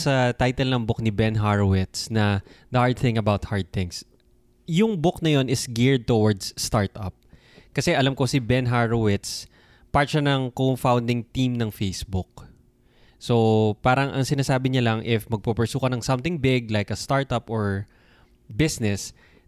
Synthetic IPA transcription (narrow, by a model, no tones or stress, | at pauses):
sɐt̪ajt̪ɛlnɐŋbʊk̚nɪbɛnɦaɹowɪt̪snɐd̪ɐhaɹd̪̚θɪ̃ŋɐbawt̪̚haɹd̪̚θɪ̃ŋs | jʊŋbʊknɐjo̞nɪsɡɪɹd̪̚t̪owɐɹd̪st̪aɹt̪ʔɐp̚ | kɐsɛʔɐlamkosɪbɛnɦaɹowɪt̪s | paɹt̪ʃanɐŋkomfawnd̪ɪŋt̪imnɐŋfejsbʊk̚ | sopaːɾɐŋʔɐŋsɪnaːsaːbɪɲɐlɐŋʔɪfmɐɡ̚pɐpɛɹsuːkɐnɐŋsɐmt̪ɪŋbɪɡ̚lajkɐst̪aɹt̪ɐpoɹ | bɪsnɛs